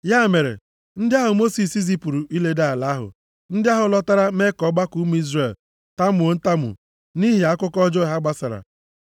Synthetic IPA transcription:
ja˦˨me˨ɾḛ˨ | n̩˦dɪ˦a˦ɦʊ˨mo˦si˨si˦z̬i˦pu˨ɾu˨ʔi˦le˦da˦˨la˨˦ɦʊ̰˨ | n̩˦dɪ˦a˦ɦʊ˨lɔ˦ta˦ɾa˦me˦kɔ˨˦ɡ͡ba˦ku˦m˦i˦zre˨l | ta˦m˨o˨n̩˦ta˦mʊ̰˨ | ni˦ɦi˨a˦kʷʊ˦kɔ˦d͡ʒɔ˦˨ɦa˦ɡ͡ba˦sa˨ɾa̰˨

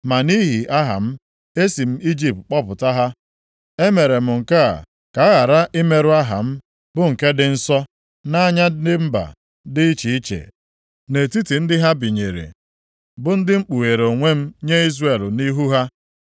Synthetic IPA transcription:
ma˨ni˦ɦi˨ʔa˦ɦa̰˨m̩˦ | e˦si˨m̩˦i˦d͡ʒi˨p̚tk͡pɔ˦pʊ˨ta˦ɦa˦ | e˦me˨ɾe˨m̩˨ŋ̩˨ka̰˦˨ | ka˨a˦ɣa˨ɾa˦ʔɪ˦me˦ɾu˦a˦ɦa̰˨m̩˦ | bʊ˦ŋ̩˨ke˦dɪ˦n̩˦sɔ˦ | na˦ɲa˦dɪ˦m̩˦ba̰˨ | dɪ˦t͡ʃi˨i˦t͡ʃḛ˨ | ne˨ti˦ti˨n̩˦dɪ˦ɦa˦bi˨ɲe˨ɾḛ˨ | bʊ˨n̩˦dɪ˦ŋ͡m̩˦k͡pu˨ɣe˨ɾo˨ŋʷe˦m̩˦ɲe˦i˦zre˨lni˦ɦu˦ɦa˦

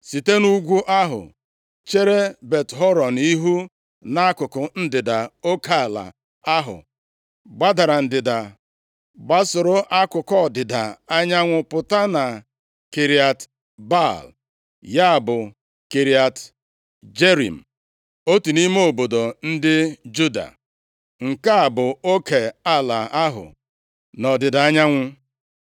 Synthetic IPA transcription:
si˨te˦nu˦ɡʷu˦ʔa˦ɦʊ̰˨ | t͡ʃe˦ɾe˦be˨tɦɔ˦ɾɔ˨n˨i˦ɦu˦ | na˦kʊ˨kʊ˨n̩˦dɪ˨da˨o˦ka˦˨la̰˨ | a˦ɦʊ̰˨ | ɡ͡ba˦da˨ɾa˨n̩˨dɪ˨da˨ | ɡ͡ba˦sʊ˨ɾʊ˦ʔa˦kʊ˨kɔ˦˨dɪ˨da˨a˦ɲa˦ŋʷʊ˨pʊ˨ta˦na˨ | ke˨ɾi˨a˨t | ba˦˨l | ja˦a˨bʊ˨ | ke˨ɾi˨a˨t | d͡ʒe˦ɾḭ˨m̩˨ | o˦tu˨ni˦me˦o˨bo˨do˨n̩˦dɪ˦d͡ʒu˦da̰˨ | ŋ̩˨ka˦a˨bʊ˨o˦ke˨a˦˨la˨a˦ɦʊ̰˨ | nɔ˨dɪ˨da˨a˦ɲa˦ŋʷʊ˦

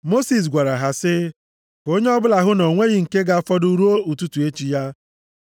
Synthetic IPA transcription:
mo˦si˨s̬ɡʷa˨ɾa˨ɦa˨sɪ˦ | ko˦ɲe˦ɔ˦bʊ˦la˨ɦʊ˦nɔ˨ŋʷe˦ɣɪ˨ŋ̩˨ke˦ɡa˦fɔ˦du˦ɾu˦o˦u˨tu˦tu˨e˦t͡ʃi˨ja˦

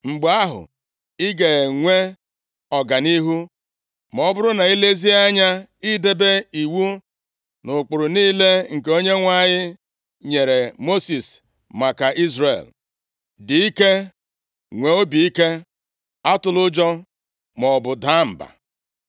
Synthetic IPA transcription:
ŋ͡m̩˨ɡ͡ba˦ɦʊ̰˨ | ɪ˦ɡe˨ŋʷe˦ | ɔ˨ɡa˨ni˦ɦu˦ | m˨ɔ˨bʊ˦ɾʊ˦na˨i˦le˦zi˦a˦ɲa˦i˦de˦be˦i˨wu˦ | nʊ˨k͡pʊ˨ɾʊ˨niː˦le˦ŋ̩˨ke˨o˦ɲe˦ŋʷa˦˨ɲɪ˦ | ɲe˨ɾe˨mo˦si˨s | ma˨ka˨ʔi˦zɾḛ˨l | dɪ˨i˦ke˦ | ŋʷe˨o˦bi˨i˦ke˦ | a˦tʊ˨lʊ˦d͡ʒɔ˦ | mɔ˨bʊ˨da˦m̩˨ba̰˨

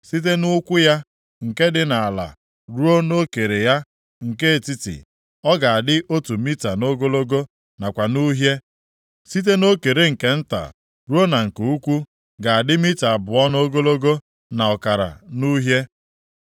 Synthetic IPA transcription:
si˦t̬e˦nʊ˦kʷʊ˦ja˦ | ŋ̩˨ke˦dɪ˨na˨a˨la̰˨ | ɾu˦o˦no˦ke˨ɾe˨ja˦ | ŋ̩˨ke˦e˨ti˦tɪ̰˨ | ɔ˦ɡa˨a˨dɪ˦ʔo˦tu˨mi˦ta˨no˦ɡo˦lo˦ɡo˦ | na˨kʷa˨nu˦ɦje˦ | si˦t̬e˦no˦ke˨ɾe˦ŋ̩˨ke˦n̩˦ta̰˨ | ɾu˦o˦na˨ŋ̩˨ku˨u˦kʷu˦ | ɡa˨a˨dɪ˦mi˦ta˨a˨bʊ˨ɔ˦no˦ɡo˦lo˦ɡo˦ | na˨ɔ˨ka˨ɾa̰˨nu˦ɦje˦

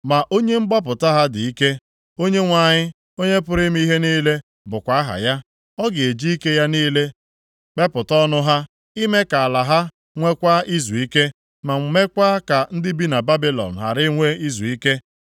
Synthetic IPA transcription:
ma˨ʔo˦ɲe˦ŋ͡m̩˦ɡ͡bɔ˦p̬ʊ˨ta˦ɦa˦dɪ˨i˦ke˦ | o˦ɲe˦ŋʷa˨ɲɪ˦ | o˦ɲe˦pʊ˦ɾɪ˦m˦i˦ɦe˦niː˦le˦ | bʊ˨kʷa˨˦a˦ɦa̰˨ja˦ | ɔ˦ɡɪ˨e˨d͡ʒi˦i˦ke˦ja˦niː˦le˦ | k͡pe˦pʊ˨tɔ˦nʊ˦ɦa˦ | i˦me˦ka˨a˨la˨ɦa˦ | ŋʷe˦kʷa˦ʔi˦zu˨i˦ke˦ | ma˨ŋ˨˦me˦kʷa˦ka˨n̩˦dɪ˦bi˦na˨ba˦bi˦lɔ̰˨n̩˨ɦa̰˨ɾɪ˦ŋʷe˦i˦zu˨i˦ke˦

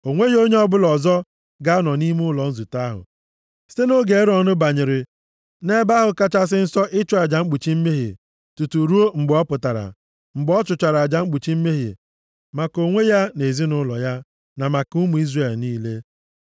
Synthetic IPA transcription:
o˨ŋʷe˦jo˦ɲe˦ɔ˦bʊ˦lɔ˨zɔ˦ | ɡa˦a˦nɔ˨ni˦m˦ʊ˦lɔ˨n̩˦zu˨ta˦ɦʊ̰˨ | si̥˦te˦no˦ɡe˨˦ɾɔ˨nʊ˦ba˨ɲɪ˨ɾɪ˨ | ne˦ba˦ɦʊ˨ka˦t͡ʃa˦s̬ɪ˦n̩˦sɔ˦ʔɪ˦t͡ʃɔ˦a˨d͡ʒa˨ŋ͡m̩˦ɡ͡bu˨t͡ʃi˦m̩˦me˦ɦḭ˨ | tu˨tu˨ɾu˦o˦ŋ͡m̩˨ɡ͡bɔ˦pʊ˨ta˨ɾa̰˨ | ŋ͡m̩˨ɡ͡bɔ˦t͡ʃʊ˨t͡ʃa˨ɾa˨d͡ʒa˦ŋ͡m̩˦ɡ͡bu˨t͡ʃi˦m̩˦me˦ɦḭ˨ | ma˨ko˨ŋʷe˦ja˦ne˨zi˦nʊ˦lɔ̰˨ja˦ | na˨ma˨ku˦mu˨i˦zre˨lniː˦le˦

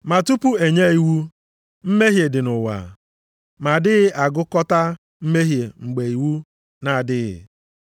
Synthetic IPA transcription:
ma˨tu˦pu˦e˨ɲe˦i˨wu˦ | m̩˦me˦ɦje˨dɪ˨nʊ˨wa̰˨ | ma˨dɪ˦ɣɪ˦ʔa˨ɡʊ˦kɔ˦ta˦ | m̩˦me˦ɦje˨ŋ͡m̩˨ɡ͡be˨i˨wu˦ | na˨dɪ˦ɣɪ̰˨

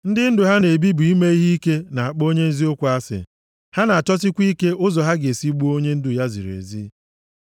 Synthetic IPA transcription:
n̩˦dɪ˦n̩˦dʊ˨ɦa˦ne˨bi˦bu˨i˦me˦i˦ɦi˦i˦ke˦na˨a˨k͡po˦ɲe˦n̩˦zi˦ʊ˦kʷu˨a˦sɪ̰˨ | ha˦na˨a˨t͡ʃɔ˦s̬ɪ˦kʷi˦ke˦ʔʊ˦zɔ˨ɦa˦ɡe˨si˦ɡ͡bu˦o˦ɲe˦n̩˦dʊ˨ja˦zḭ˨ɾḛ˨zḭ˦

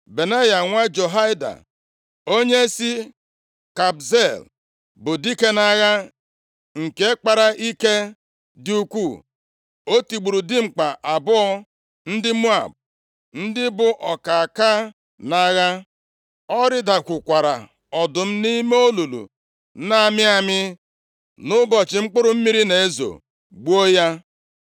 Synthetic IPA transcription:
be˨na˦ja˨ŋʷa˦d͡ʒo˨ɦa˦ɪ˦da̰˨ | o˦ɲe˦si˦ | ka˨bze˦˨l | bʊ˨di˦ke˦na˦ɣa˦ | ŋ̩˨ke˦e˦k͡pa˨ɾa˨ʔi˦ke˦ | dɪ˦u˦kʷu˦˨ | o˦ti˨ɡ͡bu˨ɾu˨dɪ˦ŋ͡m̩˨k͡pa˨ʔa˨bʊ˦ɔ˦ | n̩˦dɪ˦mu˦a̰˨b̚ | n̩˦dɪ˦bʊ˨ʔɔ˨ka˨a˨ka˦ | na˦ɣa˦ | ɔ˦ɾɪ˦da˨kʷʊ˨kʷa˨ɾa̰˨ | ɔ˨dʊ˨m̩˦ni˦me˦o˦lu˨lṵ˨˦ | na˦˨mɪ˦a˨mɪ˦ | nʊ˦bɔ˨t͡ʃɪ˨ŋ͡m̩˦k͡pʊ˦ɾʊ˨m̩˦mi˦ɾi˦ne˨e˦zo̰˨ | ɡ͡bu˦o˦ja˦

